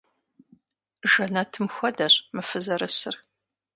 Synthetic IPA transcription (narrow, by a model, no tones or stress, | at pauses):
ʒɐnɐtʰɨmxʷɔdɐɕmɨfɨzɐɾɨsɨr